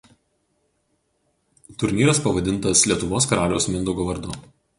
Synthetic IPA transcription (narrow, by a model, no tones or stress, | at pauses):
t̪ʊɾʲnʲiːɾɐspɐʋɐd̪ʲɪnt̪ɐslʲiɛt̪ʊʋoːskɐɾɑːlʲoːsmʲɪnd̪ʊɡoːʋɐɾd̪ʊ